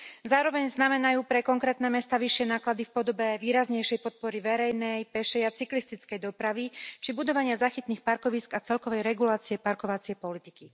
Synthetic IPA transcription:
zaːɾɔʋɛɲznamɛnajuːpɾɛkɔŋkɾɛːt̪nɛːmɛst̪aʋiʃɪɛnaːklad̪ifpɔd̪ɔbɛʋiːɾazɲɛjʃɛjpɔt̪̚pɔɾiʋɛɾɛjnɛjpɛʃɛjat͡siklist̪it͡skɛjd̪ɔpɾaʋit͡ʃibud̪ɔʋaɲɪazaxit̪niːxpaɾkɔʋiːskat͡sɛlkɔʋɛjɾɛɡulaːt͡siɛpaɾkɔʋat͡sɪɛpɔlit̪i̥ki

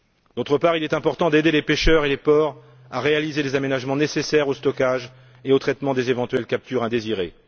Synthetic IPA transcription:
d̪̥ot̪χəpaʁilɛt̪ɛ̃pɔʁt̪ɑ̃d̪ed̪elepeʃœʁelepɔʁ | aʁealizelezamenaʒmɑ̃nesesɛʁost̪ɔkaʒ | eot̪χɛt̪mɑ̃d̪ezevɑ̃t̪ɥɛlkap̚t̪yʁɛ̃d̪eziʁe

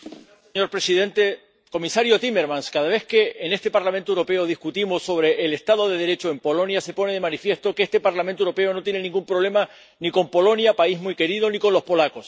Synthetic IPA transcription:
seɲo̞ɾpɾe̞siðe̞nt̪e̞ | ko̞misaɾjot̪ime̞ɾmãnskaðaβe̞hke̞ʔːne̞st̪e̞paɾlamẽnt̪owɾo̞pe̞oð̞ihkut̪imosːo̞β̞ɾe̞ʔːlest̪aðo̞ðe̞ðe̞ɾe̞t͡ʃoe̞mpo̞lo̞njase̞po̞neðe̞mãnifje̞st̪o̞kest̪e̞paɾlament̪ewɾo̞pe̞o̞no̞t̪jne̞nĩŋɡumpɾo̞β̞le̞ma | niko̞mpo̞lo̞njapaiɦmuike̞ɾiðo̞niko̞nlo̞spo̞lako̞s

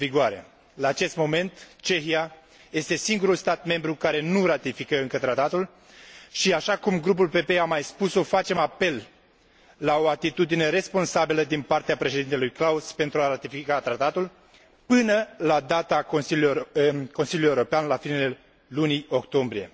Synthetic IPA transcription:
viɡoaɾe̞̰ | laːt͡ʃe̞st̪mo̞me̞nt̪t͡ʃe̞xia | je̞st̪e̞siŋɡuɾulst̪at̪̚me̞mbɾukaɾe̞nurat̪ifikəɨŋkət̪ɾat̪at̪ul | ʃiaʃakumɡɾup̬ulpe̞pe̞amajspuso̞fat͡ʃe̞mape̞lː | ao̞at̪it̪ud̪ine̞ɾe̞spo̞nsabiləd̪inpart̪eapɾe̞ʃed̪int̪e̞lujklauspe̞nt̪ɾuaɾat̪ifikat̪ɾat̪at̪ul | pɨnəlad̪at̪aos | ko̞nsiluljeuɾo̞peanlafine̞le̞ | lunio̞kt̪o̞mbɾije̞̰

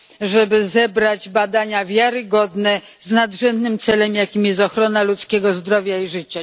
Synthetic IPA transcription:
ʐɛbɘzɛbɾad͡ʑbad̪aɲavʲjaɾɘɡɔd̪nɛ | znad̪ʐɛnd̪nɘmt̪sɛlɛmjakʲimjɛst̪ɔxɾɔnalut̪skʲɛɡɔzd̪ɾɔvʲjaiʐɘt͡ɕa

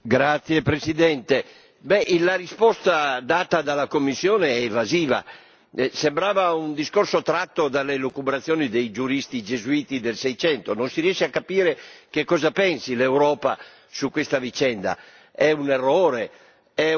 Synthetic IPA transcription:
ɡɾat̪sːjepɾesid̪ɛnt̪e | bɛʔlaɾispɔst̪ad̪aːt̪ad̪alakomːisːjɔːneɛːvaziːva̰ | sembɾaːvaund̪iskorsot̪ɾat̪ːod̪alelokubɾat̪sːjɔːnid̪ejd͡ʒuɾist̪id͡ʒezuiːt̪id̪elsɛjt͡ʃɛnt̪ononsiɾiɛʃiakːapiːɾekekːɔːzapɛnsilewɾɔːpa̰ | sukwest̪avit͡ʃɛnd̪a̰ | ɛunerːɔːɾe | ɛ

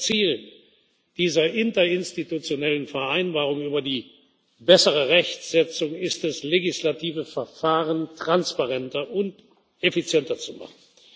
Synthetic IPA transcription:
t͡siːlən | d̥iːzɐʔɪntɐɪnstitut͡sjonɛlənfɛɐʔaɪnbaːʁ̞ʊŋyːbɐdiː | bɛsəʁəʁɛçtz̥ɛt͡sʊŋɪstɛsleɡɪslatʰiːvəfɛɐfaːʁəntʁ̥anspaʁɛntɐʔʊnt | efit͡sjɛntɐt͡suma̰χn̩

